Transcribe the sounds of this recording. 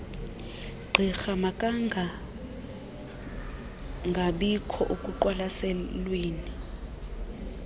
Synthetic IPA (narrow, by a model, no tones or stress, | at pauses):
ɡ͡ǃʱixamakʼaŋʱa | ŋɡʱaɓikʰɔ̰ʔukʼuǃwalasɛlweːni